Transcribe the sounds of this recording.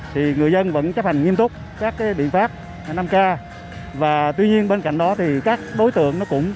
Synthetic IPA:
t̪ʰi˨˩ŋɨ˨˩əjzə˧nvə̰˧˥nt͡ɕə˦˥p̚ha˨˩jŋŋi˧əmt̪ʊ˦˥k͡p̚ | kaː˦˥k̚ːaː˨˦jɓḭ˧˨ənfaː˦˥p̚ː | na˧mkaː˧ | vaː˨˩t̪wi˧ɲi˧ənɓe˧nka̰˧˨jŋ̟ɗɔ˨˦t̪ʰi˨˩kaː˦˥k̚ɗo˨˦jt̪ɨ̰˧˨əŋnɔ˨˦kʊ̰˧˥wŋ͡m

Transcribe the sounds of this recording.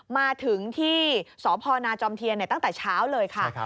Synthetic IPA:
maː˧t̪ʰɯ˨˩˦ŋt̪ʰiː˥˩sɔː˩˦pʰɔː˧naː˧t͡ɕɔː˧mt̪ʰi˧əna˨˩jt̪a˥˩ŋt̪ɛː˨˩t͡ɕʰaː˦˥wlɤː˧jkʰa˥˩

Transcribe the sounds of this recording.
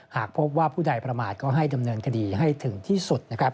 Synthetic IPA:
haː˨˩k̚pʰo˦˥p̚waː˥˩pʰuː˥˩da˧jpɾa˧maː˨˩t̪̚kɔː˥˩ɦa˥˩jda˧mnɤː˧nkʰa˧diː˧ɦa˥˩jt̪ʰɯ˩˦ŋt̪ʰiː˥˩su˨˩t̪̚na˦˥kʰɾa˦˥p̚

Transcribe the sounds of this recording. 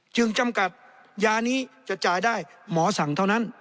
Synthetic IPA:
t͡ɕɯ˧ŋt͡ɕa˧˩mka˨˩t̪̚ | jaː˧niː˦˥t͡ɕa˨˩ʔt͡ɕaː˨˩jdaː˥˩jmɔː˩˦sa˩˦ŋt̪ʰa˥˩wna˦˥n

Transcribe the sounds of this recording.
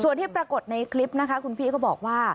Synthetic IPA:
su˨˩ənt̪ʰiː˥˩pɾa˧ko˨˩t̪̚na˧jkʰli˦˥p̚na˦˥kʰa˦˥kʰu˧npʰiː˥˩kɔː˥˩bɔː˨˩k̚waː˥˩

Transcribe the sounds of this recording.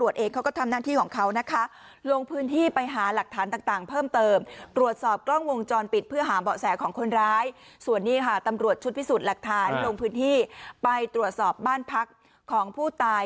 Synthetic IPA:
ɾu˨˩ət̪̚ʔeː˧ŋkʰa˦˥kɔː˥˩t̪ʰa˧mnaː˥˩t̪ʰiː˥˩kʰɔː˩˦ŋkʰa˦˥wna˦˥kʰa˦˥ | lo˧ŋpʰɯː˦˥nt̪ʰiː˥˩pa˧jɦaː˩˦la˨˩k̚t̪ʰaː˩˦nt̪aː˨˩ŋt̪aː˨˩ŋpʰɤː˥˩mt̪ɤː˧mt̪ɾu˨˩ət̪̚sɔː˨˩p̚klɔ˥˩ŋwo˧ŋt͡ɕɔː˧npi˨˩pʰɯ˥˩ɐɦaː˩˦bɔː˨˩sɛː˩˦kʰɔː˩˦ŋkʰo˧nɾaː˦˥jsu˨˩ənːiː˥˩kʰa˥˩t̪a˧mɾu˨˩ət̪̚t͡ɕʰu˦˥t̪̚pʰiː˦˥˩suː˨˩t̪̚la˨˩k̚t̪ʰaː˩˦nlo˧ŋpʰɯː˦˥nt̪ʰiː˥˩pa˧jt̪ɾu˨˩ət̪̚sɔː˨˩p̚baː˥˩npʰa˦˥kʰː | ɔː˩˦ŋpʰuː˥˩t̪aː˧j

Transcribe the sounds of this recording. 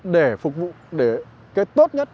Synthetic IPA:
ɗe˧˩fʊ˨˩k̚vṵ˧˨ɗe˧˩ | kaː˨˦jt̪o˦˥t̚ɲə˦˥t̚

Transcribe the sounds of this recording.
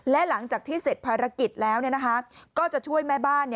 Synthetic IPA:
lɛ˦˥la˩˦ŋt͡ɕaː˨˩k̚t̪ʰiː˥˩se˨˩t̪̚pʰaː˧ɾa˧ki˨˩t̪̚lɛː˦˥wni˥˩ɐna˦˥kʰa˦˥kɔː˥˩t͡ɕa˨˩ʔt͡ɕʰu˥˩əjmɛː˥˩baː˥˩nːi˥˩

